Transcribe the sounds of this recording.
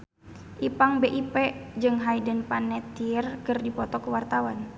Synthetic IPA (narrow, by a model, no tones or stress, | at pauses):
ʔipaŋbeʔipɛd͡ʒɨŋɦaidənpanɛt̪irkɨrdipɔt̪ɔkuwart̪awan